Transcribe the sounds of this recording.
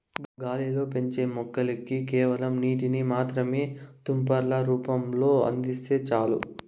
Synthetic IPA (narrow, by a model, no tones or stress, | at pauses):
ɡɡaːlilo̞ːpe̞ɲt͡ʃeːmɔkːɐlikikeːʋɐlɐmniːʈ̬inimaːt̪ɾɐme̞ːt̪umpɐɾlɐɾuːpɐmlo̞ːɐ̰nd̪ise̞ːt͡ʃaːlṵ